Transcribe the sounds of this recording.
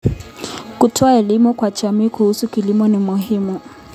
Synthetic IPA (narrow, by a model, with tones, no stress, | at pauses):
ku˨tʰɔ˦a˦ɛ˨li˦mʊ˦kwa˨t͡ʃa˨mi˦ku˨hu˦su˦ki˨li˦mɔ˦nɪ˨mʊ˨ɦɪ˦mu˨